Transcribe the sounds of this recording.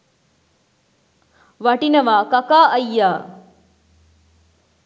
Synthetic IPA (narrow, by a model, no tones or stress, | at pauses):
ʋɐʈinɐʋaːkɐkaːɐjːaː